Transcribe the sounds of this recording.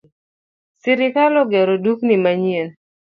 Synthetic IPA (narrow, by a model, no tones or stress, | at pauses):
sɪɾɪkalɔɡɛɾoduknimaɲien